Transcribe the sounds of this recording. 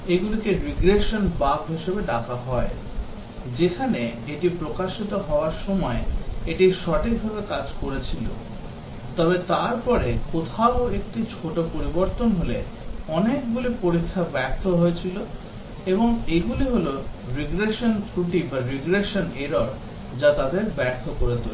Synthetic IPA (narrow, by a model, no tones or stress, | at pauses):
eɡulikeɾiɡɾeʃonbaɡɦiʃebeɖakaɦɔe | d͡ʑekʰaneeʈipɾokaʃit̪oɦɔoaɾʃɔmɔeeʈiʃɔʈʰik̚bʱabekad͡ʑkoɾet͡ɕʰilo̰ | t̪ɔbet̪aɾpɔɾekot̪ʰaoekʈit͡ɕʰoʈopoɾiboɾt̪onɦole | ɔnek̚ɡulipoɾikʰːabɛɾt̪ʰoɦoet͡ɕʰilo | eboŋeɡuliɦoloɾiɡɾeʃont̪ɾuʈibaɾiɡɾeʃoneɾoɾ | d͡ʑat̪ad̪eɾbɛɾt̪ʰokoɾet̪ul